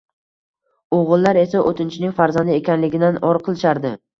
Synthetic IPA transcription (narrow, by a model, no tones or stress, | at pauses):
oʁɨlˠːaɾe̞saʔot̪ʰɪnt͡ʃʰɪnɪŋʲfaɾzand̪ɪekʲanlɪɡʲɪd̪anɒɾqʰɨlˠɪʃaɾd̪ɪ